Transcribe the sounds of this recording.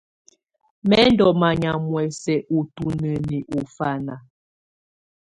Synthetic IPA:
mɛ˨˦n˦dɔ˨ma˨ɲa˨mwɛ˨sɛ˨ʔu˨tu˦nə˨ni˨ʔu˨fa˦na˨

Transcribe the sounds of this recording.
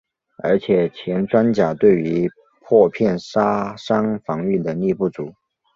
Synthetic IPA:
ə̰˞˧˥t͡ɕʰjɛ˨˩t͡ɕʰjɛ˧˥nʈ͡ʂwa˥nt͡ɕja˨˩t̪we˥˩ɪy˧˥ | pʰwɔ˥˧pʰjɛ˥˩nʂa˥ʂɑ˥ŋfɑ˧˥ŋy˥˩d̪ə˩ni˥˧pu˥˩t͡su˨˩˦

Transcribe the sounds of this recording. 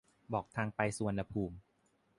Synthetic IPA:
bɔː˨˩k̚t̪ʰaː˧ŋpa˧jsu˧ə˧nːa˧pʰuː˧m

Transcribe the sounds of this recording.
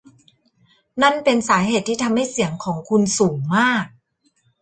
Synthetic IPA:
na˥˩npe˧nsaː˩˦ɦeː˨˩t̪ʰːiː˥˩t̪ʰa˧mːha˥˩jsi˩˦əŋkʰɔː˩˦ŋkʰu˧nsuː˩˦ŋmaː˥˩k̚

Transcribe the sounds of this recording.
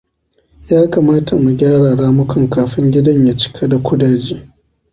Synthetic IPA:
jaː˦ka˨maː˦ta˨mu˨ɡʲaː˦ɽaː˨ɽaː˦mʊ˦kɔ˨ŋkaː˨ɸɪ˦ŋɡʲɪ˦dɐ˦ɲja˨t͡ʃɪ̥˦kʰɐ˦da˨kʷʊ˦daː˨d͡ʒiː˦

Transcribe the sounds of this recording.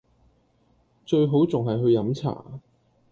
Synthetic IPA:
t͡ʃɵ˧ɥɦo˨˥wt͡sʊ˨ŋɦɐ˨jɦɵ˧ɥjɐ˨˥mt͡sʰa̰ː˨˩

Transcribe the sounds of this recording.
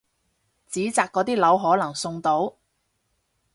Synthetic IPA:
t͡siː˨˥t͡saː˧kːɔː˨˥t̪iː˥lɐ˨˥wɦɔː˨˥lɐ˨˩ŋsʊ˧ŋt̪o˨˥w

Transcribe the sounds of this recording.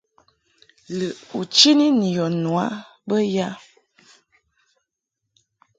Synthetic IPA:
lə˨u˨t͡ʃi˦ni˦ni˨jɔ˨nwa˦ | bə˦ja˦

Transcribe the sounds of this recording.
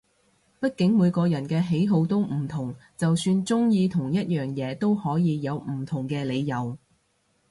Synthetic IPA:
pɐ˥t̚kɪ˨˥ŋmuː˨˧jkɔː˧jɐ˨˩nkɛː˧ɦe˨˥jɦo˧wt̪o˥wm̩˨˩t̪ʰʊ˨˩ŋt͡sɐ˨wsyː˧nt͡sʊ˥ŋjiː˧t̪ʰʊ˨˩ŋjɐ˥t̚jœː˨˩ŋjɛː˨˧t̪o˥whɔː˨˥jiː˨˧jɐ˨˧wm̩˨˩t̪ʰʊ˨˩ŋkɛː˧le˨˧jjɐ˨˧w

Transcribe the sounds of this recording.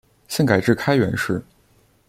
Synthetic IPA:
ɕɛ˥˩nka˨˩ɪʈ͡ʂɻ̩˥˩kʰa˥ɪɥɛ̰˧˥nʂɻ̩˥˩

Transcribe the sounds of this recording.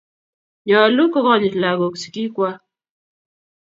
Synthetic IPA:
ɲɔ˨lu˦kɔ˦kɔ˦ɲɪ˨la˨ɡo˨ksi̥˨ki˦kwa˦

